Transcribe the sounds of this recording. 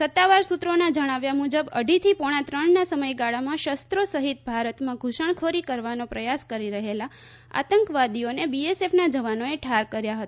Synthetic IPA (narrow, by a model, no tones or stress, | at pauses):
sət̪ːaʋaɾsut̪ɾonad͡ʒəɽ̃aʋjamud͡ʒəbə̰ɖʱit̪ʰipoɽ̃ãt̪ɾəɳnasəməjɡaɭamãʃəst̪ɾosəɦit̪̚bʱaɾət̪mãɡʱuʃəɳ̃kʰoɾikəɾʋanopɾəjaskəɾiɾəɦela | a̰t̪əŋkʋad̪ionebiesefnad͡ʒəʋanoeʈʰaɾkəɾjaɦət̪aa